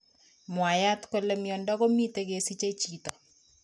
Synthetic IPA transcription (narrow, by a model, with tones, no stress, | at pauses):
mwa˨ja˦tko˦le˦mjɔ˨ndɔ˦ɣo˦mi˦te˦ke˨si˦t͡ʃe˦t͡ʃiːtɔ˨